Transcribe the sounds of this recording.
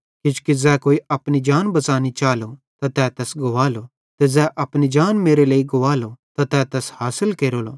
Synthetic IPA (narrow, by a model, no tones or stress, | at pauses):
kɪt͡ʃkizɛːkoːiɐpnid͡ʒaːnbɐt͡saːnit͡ʃaːlot̪at̪ɛːt̪ɛːsɡoʋaːlo | t̪ɛzɛʔɐpnid͡ʒaːnmeːɾeleːiɡʊʋaːlot̪at̪ɛːt̪ɛːshaːsɪlkeːɾoːloː